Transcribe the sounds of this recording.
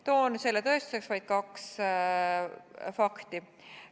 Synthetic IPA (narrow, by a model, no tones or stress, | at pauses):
t̪o̞ːnse̞lːet̪ɤ̞est̪u̥se̞ksvɑjd̪̥kɑks | fɑkt̪i